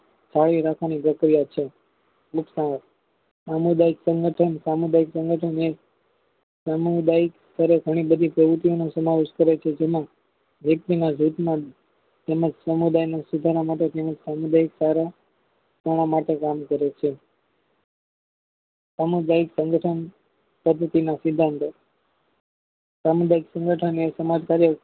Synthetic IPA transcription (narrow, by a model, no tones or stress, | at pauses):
saɭiɾakʰʋanipɾəkɾijat͡ʃʰe | uksã | samud̪aiksə̃ŋɡəʈʰənsamud̪aiksə̃ŋɡəʈʰəne | samud̪aikst̪əɾeɡʱəɽ̃ibəd̪ʱipɾəʋɾut̪ionosəmaʋeʃkəɾet͡ʃʰed͡ʒemã | ʋjək̚t̪inad͡ʒut̪mã | t̪ɛməd͡ʒsəmud̪ajnasud̪ʱaɾamaʈet̪ɛməd͡ʒsamud̪aiksaɾa | t̪əɽ̃amaʈekamkəɾet͡ʃʰe | samud̪aiksə̃ŋɡʱəʈʰən | pəd̪ʱːət̪inasɪd̪ʱːãnt̪o | samud̪aiksə̃ŋɡʱəʈʰənesəmad͡ʒkaɾjə